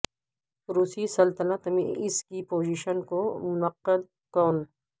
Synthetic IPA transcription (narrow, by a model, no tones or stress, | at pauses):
ɾuːsisɐlt̪ɐlat̪ɐmḭ̃ɪskipoːd͡ʒiːʃənkomʊnɐqːəd̪̚ | kɔːn